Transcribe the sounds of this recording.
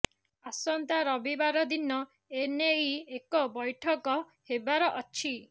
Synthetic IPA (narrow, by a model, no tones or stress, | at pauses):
asɔnt̪aɾɔbibaɾɔd̪inɔ | eneiekɔbɔjʈʰɔkɔ | hebaɾɔʔɔt͡ʃʰi